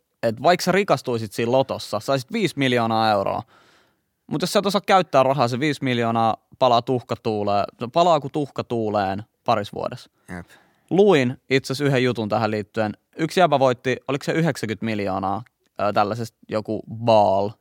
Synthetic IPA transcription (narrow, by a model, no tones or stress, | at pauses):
et̪ʋɑikserikɑst̪uisit̪siːllot̪osːɑsɑisit̪ʋiːsmiljoːnɑːeuro̰ː | mut̪joseˑt̪osɑkkæyt̪ːæːrɑɦɑːs̬eʋiːsmiljoːnɑː | pɑlɑt̪uhkɑt̪uːleːpɑlɑːkut̪uhkɑt̪uːleːnpɑɾisʋṵo̰des | j | luinit̪sesyɦejjut̪unt̪æhæliːt̪ːyen | yksiæpæʋoit̪ːiolikseyɦeksækyt̪miljo̰ːnɑː | t̪ælːæsest̪jokubɑːl